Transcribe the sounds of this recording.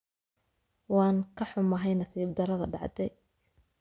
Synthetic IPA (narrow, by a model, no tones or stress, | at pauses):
wɑːŋkʰɐħʊmɐɦɛjnɐsiːb̚d̪ɐɾɐðɐɖɑ̰ʕd̪ɛj